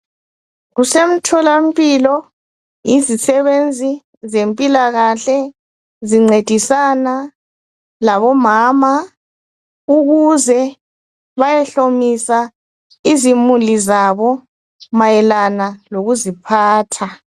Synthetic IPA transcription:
ɣusem̩tʰɔlam̩pʼilɔ | jizisɛβend͡zʱi | zempʼilaɣaɬɛ | ziŋ͡ǀed̥ʱisana | laβɔmaːma | uɣuzɛ | βajɛɬomisa | izimulizaβɔ | majɛlanaloɣuzipʰaːtʰa

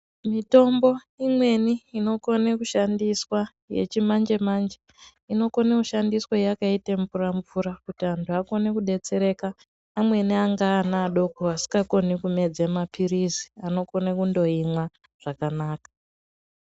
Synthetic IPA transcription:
mito̞mbo̞ | imwe̞niːno̞ko̞ne̞kuʃandiswa | je̞̰t͡ʃimand͡ʒe̞mand͡ʒe | ino̞ko̞nekuʃandiswojakaiteɱuraɱvuɾakutiantʰuako̞ne̞kuɗe̞t͡se̞ɾe̞kaː | mwe̞niaŋɡaːnaːɗo̞koasi̥kɡako̞nikume̞d͡zemapʰirizi̥ano̞ko̞nekundo̞imwa | ʐ̥akanaːkḁ

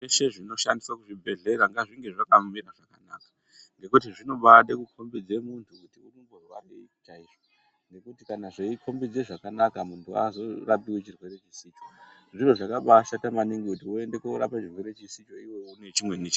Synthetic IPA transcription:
eʃe̞ʐino̞ʃandiswakuʐibʱe̞ɮe̞ɾaŋɡaʐiŋɡe̞ʐakamiɾaʐakana̰kḁ | ŋɡe̞kutiʐino̞ɓaɗekukʰo̞mbid͡ze̞muntʰukutiunumborwa̰rḛt͡ʃaiʐo | ŋɡe̞kutikanaʐeikʰo̞mbid͡ze̞ʐakanakamuntʰua̰zo̞rapiwet͡ʃirwe̞ɾe̞t͡ʃisiːt͡ʃoʐiroʐakaɓaʃatamaniŋɡikutiue̞nde̞keɾapat͡ʃirwe̞ɾe̞t͡ʃisit͡ʃo̞iwe̞une̞t͡ʃimwe̞nit͡ʃa

